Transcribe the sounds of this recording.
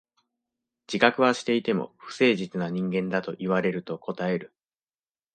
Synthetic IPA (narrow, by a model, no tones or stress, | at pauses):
d͡ʑ̥ikakɯ̟βaɕi̥t̪e̞it̪e̞mo̞̰ɸɯ̟̥se̞ːʑit͡sɨnaɲ̟ĩŋɡẽ̞nd̪at̪o̞ʔiβaɾe̞ɾɯ̟t̪o̞kʰo̞t̪ae̞ɾɯ̟